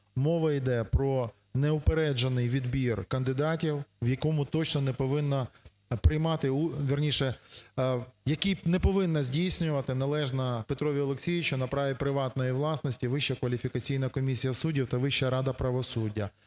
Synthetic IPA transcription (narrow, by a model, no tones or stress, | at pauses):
mɔʋɐid̪ɛpɾɔ | nɛʊpeɾɛd͡ʒɐnɪjʋʲid̪bʲirkɐnd̪ɪd̪ɑtʲiwʋjɐkɔmʊt̪ɔt͡ʃnɔnɛpɔʋɪnːɐ | pɾɪjmɑt̪ɪuʋʲirnʲiʃɛ | jɐkinɛpɔʋɪnːɐzʲdʲijsʲnʲʊʋɐt̪ɪnɐlˠɛʒnɐpet̪ɾɔʋʲiɔlˠeksʲijʲɪt͡ʃʊnɐpɾɑʋʲipɾɪʋɑt̪nɔjiʋlˠɑsnɔsʲtʲiʋɪʃːɐkʋɐlʲifʲikɐt͡sʲijnɐkɔmʲisʲijɐsudʲiwt̪ɐʋɪʃːɐɾɑd̪ɐpɾɐʋɔsudʲːɐ